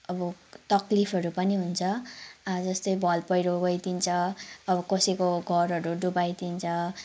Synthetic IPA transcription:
ʌbʌt̪ʌklipʰʌɾupʌniɦunt͡sʰʌd͡zʌst̪ʌjbʱʌlpʌjɾoɡʌjt̪int͡sʰʌːbʌkʌsekoɡʱʌrɦʌɾuɖubajt̪int͡sʰʌ

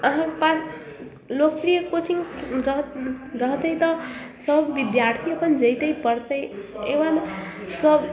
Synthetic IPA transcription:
ʌɦãpa | lok̚pɾijʌkot͡sʰiŋɾʌɦɾʌɦt̪ʌjt̪ʌ | sʌbʱːid̪jaɾt̪ʰiʌpʰʌnd͡zʌjt̪ʌjpʌɾt̪ʌjḛwalsʌb

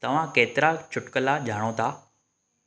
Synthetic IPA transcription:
t̪ɐʋ̤ãkeːt̪ɪɾat͡ʃʰʊʈkəlaʄʱaːɽ̃õt̪a

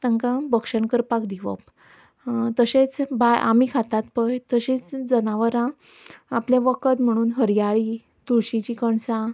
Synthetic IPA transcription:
t̪aŋkãbəkʂəɳkəɾpakd̪iʋə̰p̚ | t̪əɕet͡sbajʔa̰mikʰat̪at̪̚pəjt̪əɕit͡sd͡zənaʋəɾãː | plẽʋəkət̪m̤əɽ̃uːnɦəɾjaɭi | t̪uɭɕĩt͡ɕikəɳsã

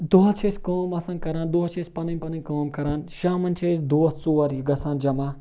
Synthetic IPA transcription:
d̪uɦɐt͡ʃʰeːsʲkəːmɐsɐ̃nkɐɾaːnd̪uɦɐt͡ʃʰespɐnɐnʲpɐnɐnʲkəːmkɐɾaːnʃaːmɐnt͡ʃʰesd̪oːst͡suːɐɾjiɡɐsãːnd͡ʒɐmaː

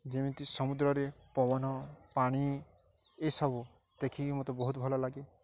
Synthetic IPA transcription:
d͡ʒemĩt̪isɔmud̪ɾɔɾepɔʋɔnɔpaɽ̃i | esɔbu | t̪ekʰimɔt̪ɔbɔɦut̪bʱɔlɔlaɡe

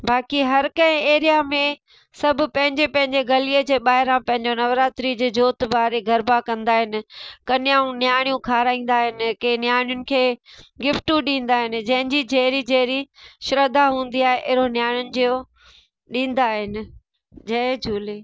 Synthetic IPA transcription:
baːkiɦɐɾkɐ̃ɪ̃eːɾijamẽ | sɐbʱʊ̆pɐ̃ɦɪ̃ɲd͡ʑepɐ̃ɦɪ̃ɲd͡ʑeɡɐlied͡ʑeːɓaːɦɪɾãpɐ̃ɦɪ̃ɲd͡ʑonɐʋɾaːt̪ɾid͡ʑeːd͡ʑoːt̪baːɾeɡʱɐɾbakɐ̃nd̪aːɦɪnɪ̆kɐnɪjaũnjaːɽ̃jũkʰaːɾaːĩːn̆d̪aːɦɪnɪ̆kẽnjaːɽ̃jʊnɪ̆kʰeːɡɪfʈũɗĩːn̆d̪aːɦɪnɪ̆d͡ʑɐ̃ɦɪ̃ɲd͡ʑid͡ʑɛɦɾid͡ʑɐɦɾiʃɾəd̪aɦũːn̆d̪iaːɦeʔɪɾonjaːɽ̃jʊnɪ̆d͡ʑio | ɗĩːn̆d̪aːɦɪnɪ̆ | d͡ʑɐed͡ʑʰʱuːli

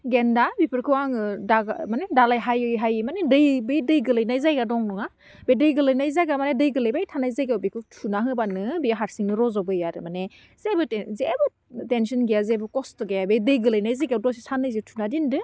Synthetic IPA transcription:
ɡendabipʰɯɾkʰɯwaŋɯdaɡmanedalajɦajɯjɦajɯmanedɯjbejdɯjɡɯlɯjnajzajɡadɔŋnɔŋa | bedɯjɡɯlɯjnajzajɡamanedɯjɡɯlɯjbajtʰanajzajɡabikʰɯtʰunaɦɯbanɯbiaɦaɾsiŋnɯɾɔzɔbɯjaɾɯ̰mane | z̥ebɯtzebɯ | tensɔnɡejazebɯkɔstɯɡajabejdɯjɡɯlɯjnajzajɡadɔsisanɯjzetʰunadindɯ

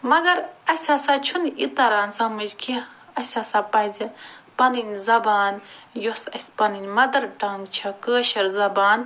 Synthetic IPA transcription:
mɐɡɐɾɐsʲaːsat͡ʃʰunit̪ɐɾaːnsɐmɐd͡ʒkʰiɐsʲaːsapɐɦd͡zipɐnɨnʲzɐbaːnjosɐsʲpɐnɨnʲmɐd̪ɐɾʈaːmt͡ʃʰɐkəːʃɐɾzɐbaːn

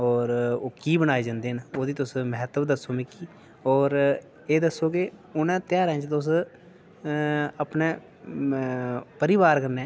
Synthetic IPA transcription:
ɔːɾoːkiːbənaːeːd͡ʒãːnd̪eːnoːd̪iːt̪ʊsməɦət̪əbd̪əsoːmẽːkiː | ɔːɾ | eːd̪əsːoːkeʊnɛ̃ːt̪ɪjaːɾɛ̃ːt͡ʃt̪ʊs̬ | əpneː | pəɾɪʋaːɾkəɾnɛː

